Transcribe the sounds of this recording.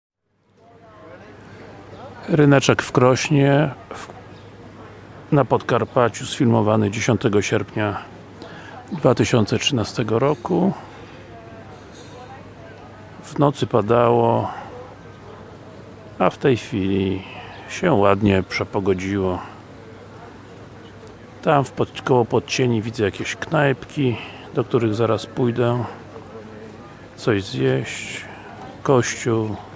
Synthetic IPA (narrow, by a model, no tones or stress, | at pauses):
ɾɘnɛt͡ʂɛkfkɾɔɕɲɛ | napɔt̪kaɾpat͡ɕusfʲilmɔvanɘd͡ʑeɕɔnt̪ɛɡɔɕɛɾpɲa | d̪vat̪ɘɕɔnt̪sɛtʂɘnast̪ɛɡɔɾɔku | vnɔt̪sɘpad̪awɔ | aft̪ɛjxfʲilʲi | ɕɛwad̪ɲɛpʂɛpɔɡɔd͡ʑiwɔ | t̪amfpɔkɔwɔpɔt̪̚t͡ɕeɲivʲid̪zɛjakʲeɕknajpkʲi | d̪ɔkt̪uɾɘɣzaɾaspujd̪ɛ | t̪sɔʑzjɛɕt͡ɕ | kɔɕt͡ɕuw